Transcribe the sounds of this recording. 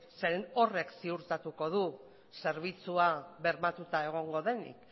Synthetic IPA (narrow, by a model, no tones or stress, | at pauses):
se̞ɾeno̞re̞ksiuɾt̪at̪uko̞ð̞u | se̞ɾβ̞it͡suaβe̞ɾmat̪ut̪ae̞ɣ̞o̞ŋɡo̞ðe̞nḭk